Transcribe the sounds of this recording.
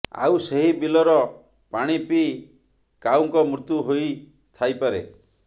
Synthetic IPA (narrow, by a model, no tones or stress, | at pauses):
a̰wseɦibilɔɾɔ | paɽ̃ipi | kawŋkɔmɾut̪juɦoj | t̪ʰajpaɾe